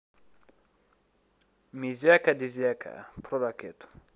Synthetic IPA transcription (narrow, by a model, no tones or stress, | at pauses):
mizjakad̪iziakʰa̰pɾoɾaket̪u̥